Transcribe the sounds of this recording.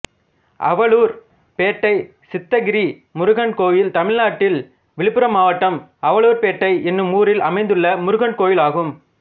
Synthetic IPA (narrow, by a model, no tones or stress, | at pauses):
ʔɐ̰ʋɐɭuːɾ | peːʈːɐɪ | sɪt̪ːɐɡɪɾiː | mʊɾʊɣɐɳkoːjɪlt̪ɐmɪɻnaːʈːɪl | ʋɪɭɪpːɯɾɐmaːʋɐʈːɐmɐʋɐɭuːɾpeːʈːɐɪɛnːɯmuːɾɪlɐmɐɪnd̪ɯɭːɐmʊɾʊɣɐɳkoːjɪlaːɣɯm